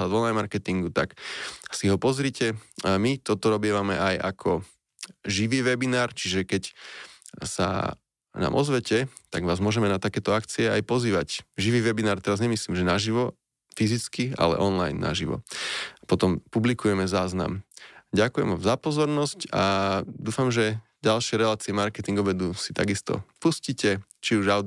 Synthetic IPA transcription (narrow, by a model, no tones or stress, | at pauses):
ad̪ɔnlajnmaɾkɛt̪iŋɡut̪aksiɦɔpɔzɾiːcɛmit̪ɔt̪ɔɾɔbɪɛʋamɛʔajakʰɔ | ʒiʋiːʋɛbinaːɾt͡ʃiʒɛkɛc | sa̰ | na̰ːmʔɔzʋɛcɛt̪aɡʋaːzmʊɔʒɛmɛnat̪akɛːt̪ɔakt͡siɛajpɔziːʋacʒiʋiːʋɛbinaːɾt̪ɛɾazɲɛmisliːmʒɛnaʒiʋɔ | fizit͡skia̰lɛ̰ʔɔnlajnːa̰ʒiʋɔ̰pɔt̪ɔmpublikujɛmɛzaːzna̰mɟakujɛ̰mɔzapɔzɔɾnɔscad̪uːfamʒɛ | ɟalʃɪɛɾɛlaːt͡siɛmaɾkɛt̪iŋɡɔbɛd̪usi̥t̪aɡist̪ɔ̰puscicɛ | t͡ʃiuʒaʊ